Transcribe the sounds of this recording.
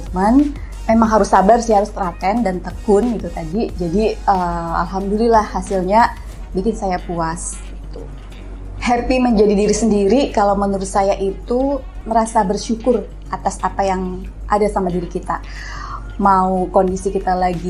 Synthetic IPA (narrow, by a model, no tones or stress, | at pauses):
man | memaŋɦaɾʊsabarsajɦaɾʊst̪əɾat̪ɛndant̪əkʊnɡit̪ut̪adid͡ʒadiəa̰lɦamdulilahːasɪlɲa | bikɪnsajapuas | ɡit̪u | hɛrt̪iməɲd͡ʒadidiɾisəndiɾikalawmənuɾʊt̪̚sajaʔit̪u | məɾasabərʃukʊr | ʔat̪asapajaŋ | ʔa̰dasamadiɾikit̪a | maukondisikit̪alaɡi